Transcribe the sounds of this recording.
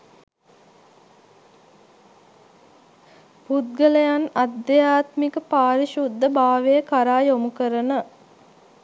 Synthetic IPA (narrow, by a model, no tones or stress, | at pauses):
put̪̚ɡələjanad̪ːɐjaːt̪mikəpaːɾiʃud̪ːəbaːʋejəkaɾaːjomukəɾənə